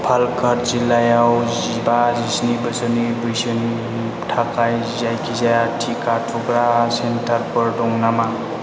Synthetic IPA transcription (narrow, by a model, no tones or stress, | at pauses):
pʰalkʰəɾzilːajawzibazisnibəsənibɯjsəni | ʈʰakaj | zajkʰizajaʈʰikaʈʰuɡɾasentʰəɾpəɾɖɔŋnama